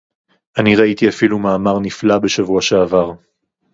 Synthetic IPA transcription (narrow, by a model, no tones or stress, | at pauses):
aniʁait̪iafilumaːmaʁniflabe̞ʃavuaʃeavaʁ